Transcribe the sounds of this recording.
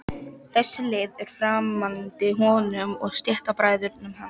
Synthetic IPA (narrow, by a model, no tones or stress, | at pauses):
θɛsːɪlɪːðɛɾ̥fɾaːmːant̪ɪɦɔːnʏmɔɣst̪jɛht̪apɾaːjðʏɾnʏmɦanː